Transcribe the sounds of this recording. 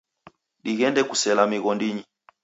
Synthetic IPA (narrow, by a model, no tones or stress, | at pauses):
ɗiɣɛndɛkusɛlamiɣɔndiɲi